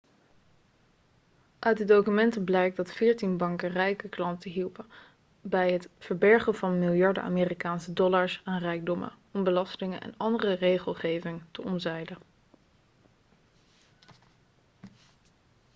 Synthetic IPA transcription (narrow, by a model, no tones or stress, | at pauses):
ʔœɥt̚dədowkymɛntəblɛjk̚dɑtfɪːɹtinbɑŋkərɛjkəklɑntəɦilˠpə | bɛjɦətfəɹbɛɹχənvɑnmɪlˠjɑɹdə̰a̰ːmeːrikaːnsədɔlaɹsaːnrɛjɡ̚dɔmə̰ | ɔmbəlɑstɪŋənʔɛ̰nɑndərərejχəlˠχejvɪŋtəɔmzɛjdə